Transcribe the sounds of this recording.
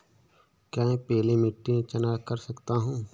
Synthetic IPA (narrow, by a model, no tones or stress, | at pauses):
kaːẽpeːlemɪʈːiẽt͡ʃɐnaːkəɾsɐkt̪aɦũː